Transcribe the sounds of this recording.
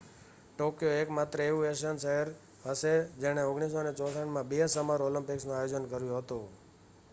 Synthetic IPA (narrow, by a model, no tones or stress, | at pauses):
ʈokjoekmat̪ɾəeʋũeʃənʃəɦəɾ | ɦəʃed͡ʒeɽ̃eoɡɳ̃is̬onet͡ʃɔt̪ʰəɳmãbesəmaɾoləmpiksnũajod͡ʒənkəɾjũɦət̪ũ